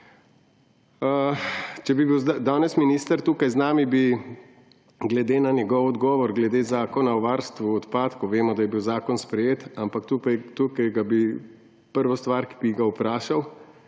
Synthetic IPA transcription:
ət͡ʃɛbibiwzad̪aːnɛsminiːst̪əɾt̪uːkajznaːmibi | ɡlɛd̪eːnanjɛɡɔwɔd̪ɡɔːʋɔɾɡlɛd̪eːzaːkɔnawʋaɾst̪ʋuɔt̪paːt̪kɔʋeːmɔd̪ajɛbiwzaːkɔnspɾɛjeːt̪ampakt̪upajt̪ukajɡabi | pəɾʋɔst̪ʋaɾki̥biɡaupɾaːʃaw

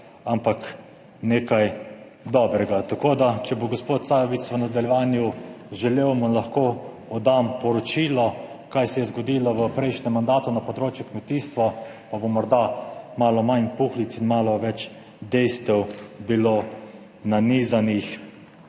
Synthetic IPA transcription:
ampak | neːkaj | d̪ɔbɾɛɡat̪akoːd̪at͡ʃɛboɡospoːt̪̚saːjɔʋisʋənad̪alʲjɛʋaːnjuʒɛlewmɔlaxko | ɔd̪ampɔɾɔt͡ʃiːlɔ | kajsɛjɛzɡɔd̪iːlɔʋəpɾɛjʃnɛmːand̪aːt̪unapɔd̪ɾoːt͡ʃjukmɛt̪iːst̪ʋɔ | pabomɔɾd̪amaːlɔmanpuxlit̪sinmaːlɔʋɛt͡ʃ | d̪ɛjst̪ɛwbiloː | naniːzanix

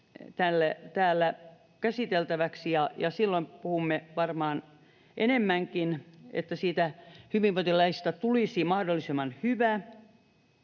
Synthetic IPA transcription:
t̪ælːæt̪æːlːæ | kæsit̪elt̪æʋæksijɑjɑsilːoimpuhumːeʋɑrmɑːn | ʔenemːæŋkinḛt̪ːæsiːt̪æhyʋiʋoit̪ilːæist̪æt̪ulisimɑhdolːˑisemːɑnhyʋæ

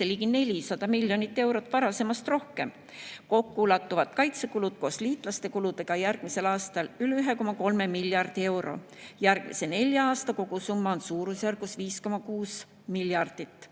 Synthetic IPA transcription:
seliːɡine̞lʲisɑd̪̥ɑmilʲjonit̪ːˑe̞wɾo̞t̪ːˑvɑɾɑse̞mɑst̪ro̞hke̞m | ko̞kːulɑt̪ːˑuvɑt̪kɑjt̪se̞kulud̪̥̚ko̞ːsliːt̪ˑlɑst̪e̞kulud̪̥e̞ɡ̥ɑjærɡ̥mise̞lɑːst̪ɑlylyɦe̞ko̞mɑko̞lme̞miljɑrd̪̥ie̞wɾʔo̞̰ | jærɡ̥mḭse̞ne̞lʲjɑɑːst̪ɑko̞ɡ̥usumːɑonsuːɾusjærɡ̥usviːsko̞mɑkuːs | miljɑrd̪̥it̪ːˑ

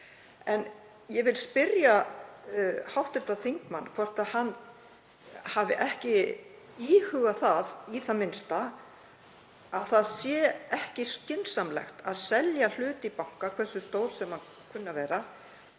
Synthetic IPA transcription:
ɛn | jɛvɪlspɪɾja | hawht̪ɪɾ̥t̪aθiŋkma̰nːkʰvɔr̥t̪aðhanː | havɪ̰ʔɛhcɪ | iːhʏɣaθaðiθamɪnst̪a | aðθaðsjɛːɛhcɪscɪnsamlɛ̰xt̪aðsɛljal̥ʏːt̪ipawŋ̥kakʰvɛsːʏst̪oːwɾ̥sɛmhan | kʰʏnːavɛːɾa

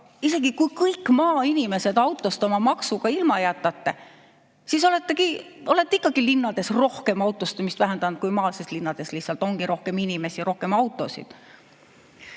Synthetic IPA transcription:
ise̞ɡ̥ikujkɤjkːˑmɑːinime̞se̞d̪̥ɑwt̪ːˑo̞st̪o̞mɑmɑksuɡ̥ɑilmɑejɑt̪ːˑɑt̪ːe̞ | siso̞le̞t̪ˑːeɡ̥io̞let̪ːeikːˑɑɡ̥ilinːɑd̪̥e̞sro̞hke̞mɑwt̪ːˑost̪emist̪væɦend̪ɑnd̪̥̚kujmɑːlsest̪linːɑd̪̥e̞slihsːɑlt̪ˑo̞ŋɡ̥iɾo̞hke̞minime̞siɾo̞hke̞mɑwt̪ːˑo̞sḭd̪̥

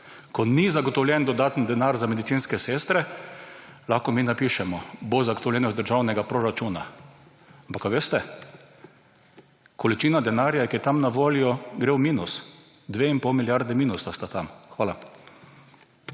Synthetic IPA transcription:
kɔnizaɡɔt̪ɔwlʲjɛnd̪ɔd̪aːt̪nd̪ɛnaɾzamed̪it̪siːnskɛseːst̪ɾɛ | laxkɔminapiʃɛmɔbozaɡot̪ɔwlɛnɔzd̪əɾʒawnɛɡapɾɔɾat͡ʃuːna | ampakːaʋeːst̪ɛ | kʰɔlit͡ʃiːnad̪ɛnaɾjajɛkijɛt̪amnaʋoːljɔɡɾeːwmiːnus | d̪ʋeinpɔwmiljaɾd̪ɛmiːnusast̪at̪amxʋaːla

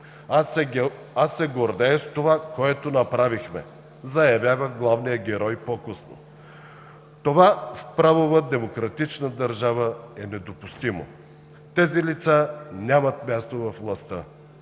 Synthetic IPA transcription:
asːɛɡoɾd̪ɛst̪ovakoɛt̪onɐpɾavixmɛ̰ | zɐjɐvʲjavəɡlˠavnijəɡʲɛɾɔjpokəsno̰ | t̪ovafpɾavovəd̪ɛmokɾɐt̪it͡ʃnəd̪ɐɾʒavəɛnɛd̪opust̪imo̰ | t̪ɛzilit̪sanʲamət̪mʲast̪ovɐfvlˠɐst̪ə

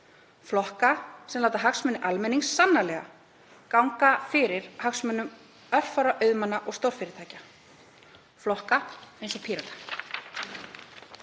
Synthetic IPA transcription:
flɔhkasɛmlaːwt̪aɦaksmɛnɪʔalmɛniŋsːanːalɛɣa̰ | kawŋkafɪɾɪɾ̥haksmœnːʏm | œhfawɾaʔœɥðmanːaʔɔɣst̪owɾ̥fɪɾɪɾt̪ʰaːjca | flɔhkaejnsɔpʰiːɾat̪ḁ

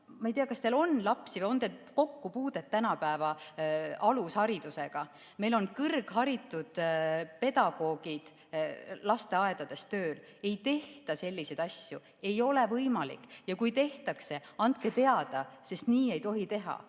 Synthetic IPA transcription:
mɑejt̪ijɑkɑst̪elo̞nlɑpsivɑo̞nd̪elko̞kːupuːd̪̥et̪ːænɑpæevɑ | ɑlushɑɾid̪̥use̞ɡ̥ɑ | me̞jlo̞nkɯrɡ̥ɦɑɾit̪ːˑud̪̥pe̞d̪̥ɑɡ̥o̞ːɡ̥id̪̥ | lɑst̪e̞ɑe̞d̪̥ɑd̪̥e̞st̪ø̞ːl | e̞jt̪e̞ht̪ɑse̞lʲːise̞d̪ɑsʲju | e̞jo̞le̞vɤjmɑlḭkːˑjɑkujt̪e̞ht̪ɑkse̞ɑnd̪̚ke̞t̪e̞ɑd̪̥ɑse̞st̪niːe̞jt̪o̞ɦit̪e̞ɦɑ̰

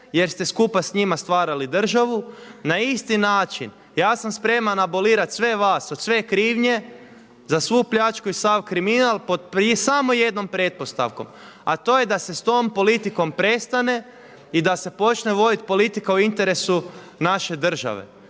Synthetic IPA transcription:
je̞ɾst̪e̞skupasɲimast̪ʋaːɾalid̪r̩ʒaʋunaist̪inaːt͡ʃin | jaːsamspɾe̞manabo̞liːɾat̪sʋe̞ʋaːsod̪sʋe̞kɾiːʋɲe̞ | zasʋupʎat͡ʃkuisaʋkɾiminalˠpo̞d̪psamo̞je̞d̪no̞mpɾe̞t̪̚po̞st̪a̰ʋko̞̰m | a̰t̪o̞ːje̞d̪ase̞st̪o̞ːmpo̞lit̪iko̞mpɾe̞st̪ane̞ | id̪ase̞po̞t͡ʃneʋo̞d̪it̪̚po̞lit̪ikauint̪e̞ɾe̞su | naʃe̞d̪r̩ʒa̰ʋḛ

